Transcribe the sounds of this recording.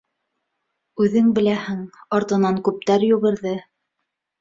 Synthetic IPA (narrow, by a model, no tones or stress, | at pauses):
ʉðɘŋbɘ̆læhɘŋɑɾt̪ɤ̆nɑŋkʉp̚t̪æɾjʉ̆ɣɘ̆ɾðɘ